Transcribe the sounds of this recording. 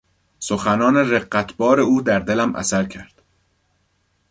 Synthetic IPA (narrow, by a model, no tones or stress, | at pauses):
soxænɒːnereɢːæt̪ʰbɒːɾe̞uːd̪æɾd̪e̞læmʔæ̰sæɾcʰæɾd̪̥